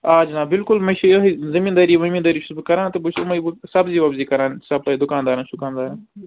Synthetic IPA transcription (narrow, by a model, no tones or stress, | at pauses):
aːd͡ʒnãːbɪlkʊlmɐ̃ʃejoɦizɐmiːnd̪aːɾiːʋɐmĩːnd̪aːɾiːʃʰusbkɐɾãːnt̪ɐbuʃt̪umɐbsɐbziːʋɐbziːkɐɾãːnsɐb̚ɐid̪ʊkaːnd̪aːɾanʃʊkaːnd̪aːɾaːn